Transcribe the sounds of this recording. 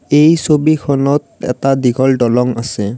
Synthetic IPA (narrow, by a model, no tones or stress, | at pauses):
ejsobikʰɔnɔt̚ɛ̰tadiɡʱɔlɖɔlɔŋasɛ